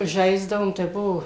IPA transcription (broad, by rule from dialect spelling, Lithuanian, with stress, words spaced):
ˈʒɐɪzdɐʋoːm tɐɪ ˈbuɔ